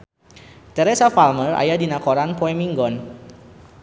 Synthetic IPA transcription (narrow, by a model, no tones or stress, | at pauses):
t̪ɛɾɛsafalməra̰jadinakɔɾanpoɛmiŋɡɔn